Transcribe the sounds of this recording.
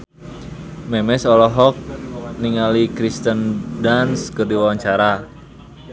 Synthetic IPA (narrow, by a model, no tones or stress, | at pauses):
mɛmɛsɔlɔɦɔk̚niŋalikɾist̪əndanskərdiwawaɲt͡ʃaɾa